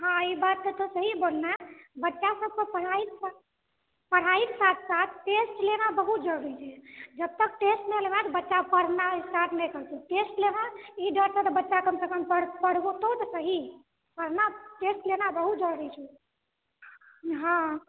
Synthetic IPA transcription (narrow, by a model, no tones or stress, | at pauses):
ɦãibat̪ːət̪osəɦibolnabətːʃasəb̚kəpəɽ̤ait̪sa | pəɽ̤ait̪sat̪̚ʰsat̪̚ʰʈesʈlenabəɦut̪̚d͡ʒəɽuɾit͡ʃʰɛd͡ʒəb̚t̪ək̚ʈesʈmeleʋnat̪əbətːʃapəɽ̤naisʈaʈʰnɛkəɾt̪eʈesʈlenaiɖəɾsət̪əbətːʃakəmsəkəmpəɽpəɽbot̪ot̪əsəɦi | pəɽ̤naʈesʈlenabəɦut̪̚d͡ʒəɽɾit͡ʃʰu | ɦã